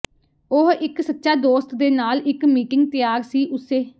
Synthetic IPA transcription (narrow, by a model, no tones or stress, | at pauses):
oɦɪksət̪ːʃaːd̪oːst̪d̪eːnaːlɪkmiːʈɪŋɡ̚t̪ɪjaːɾsiːʔʊseː